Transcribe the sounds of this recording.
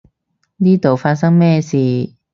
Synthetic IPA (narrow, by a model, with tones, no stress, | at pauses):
niː˥t̪o˨wfaː˧t̚s̬ɐ˥ŋmɛː˥siː˨